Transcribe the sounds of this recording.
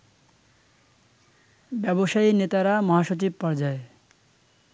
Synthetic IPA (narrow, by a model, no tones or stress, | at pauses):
bɛboʃainet̪aɾamɔɦaʃot͡ɕib̚paɾd͡ʑae